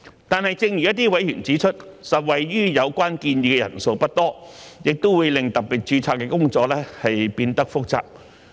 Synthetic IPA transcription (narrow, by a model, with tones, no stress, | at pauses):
t̪aː˨nhɐ˨˩jt͡sɪ˧ŋjyː˨˩jɐ˥t̪iː˥wɐ˨˥jy̰ː˨˩nt͡siː˨˥t͡ʃʰɵ˥t̚sɐ˨t̚wɐ˨jɥyː˥jɐ˨˧wkʷaː˥nkiː˧njiː˧kɛ˧jɐ̰˨˩nso˧wpɐ˥t̚t̪ɔː˥jɪ˨k̚t̪o˥wuː˨˧˥jlɪ˨ŋt̪ɐ˨p̚piː˨t̚t͡ʃyː˧t͡sʰaː˧˥kːɛː˧kʊ˥ŋt͡ʃɔː˧k̚lɛː˥hɐ˨jpiː˧nt̪ɐ˥k̚fʊ˥k̚t͡sa̰ː˨p̚